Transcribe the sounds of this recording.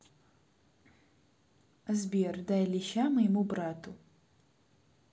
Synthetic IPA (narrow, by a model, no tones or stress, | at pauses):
zbʲerdajliʃamɐjɛmubraːtʰu